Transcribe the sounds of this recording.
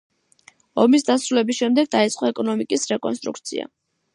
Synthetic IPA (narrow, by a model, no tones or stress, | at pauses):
ɔmisd̪asɾulɛbisʃɛmd̪ɛɡ̚d̪ait̪sʼqʼɔɛkʼɔnɔmikʼisɾɛkʼɔnst̪ʼɾṵk̚t̪sʰḭa̰